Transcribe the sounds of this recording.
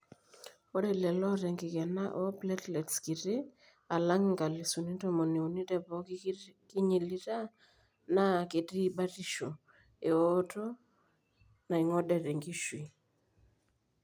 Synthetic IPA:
ɔ˦ɾɛ˨lɛ˨lɔ˦ɾɛ˨ŋɡɪ˨kɛ˨na˦ʔɔ˦plɛ˦tlɛ˨tskɪ˨ɾɪ˦ | a˨la˦ŋŋɡa˨li˨su˨ni˦tɔ˦mɔ˨ne˨u˨ni˦tɛ˨pɔ˦kkɪ˦ɲi˨li˦ta˦ | na˨ke˨ti˦ɓa˦ti˦ʃo˨ | e˨ɔ˦tɔ˦ | na˨i˨ŋɔ˦ɗɛ˨tɛ˨ŋɡi˦ʃwi˨

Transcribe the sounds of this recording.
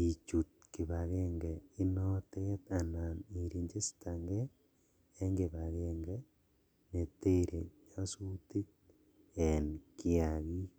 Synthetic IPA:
i˨t͡ʃu˨t̚ki˨βa˨ɣɛ˦ŋɡɛ˨i˦nɔ˦te˦t̪a˨na˨ni˨ɾi˨ɲd͡ʒe˦sta˨ŋɡɛ˦ | ɛ˦ŋɡe˨βa˨ɣɛ˦ŋɡɛ˦ | ne˨te˦˨ɾe˨ɲa˦su˦ti˦k̚ | ɛ˨nkɪ˦a˨ɣi˦

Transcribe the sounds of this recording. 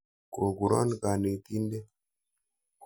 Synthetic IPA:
ko˨ɡu˨ɾɔ̰˦nka˨ne˨t̪i˦nde˦ | k

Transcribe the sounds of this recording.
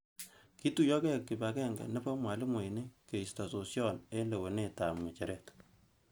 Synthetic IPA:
ki˦tu˨jɔ˦kɛ˦kːi˨pa˨kɛ˦ŋɡɛ̰˨nɛ˦pɔ˦mwa˨li˦mwe˨i˨ne˦ke˨i˨sta˨so˨sjɔ˦ne˦le˨we˨ne˦ta˨mŋɛ˨t͡ʃɛ˨ɾɛ˦t

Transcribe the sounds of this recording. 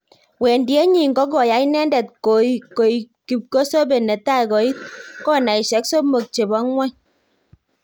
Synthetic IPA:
we˨ndje˦ɲi˦˨ŋ̩˨kɔ˨˦k̬ɔ˨ja˨˦i˦nɛ˦ndɛ˨t̚ko˨˦ko˨i˨ | ki˨p̚ko˦so˦be˨nɛ˨ta˦˨kɔ˨i˦t̚kɔ˦˨na˨i˨ʃɛ˨˦kso˦mo˨k̚t͡ʃe˨bɔ˨˦ŋwɛ˦ɲ

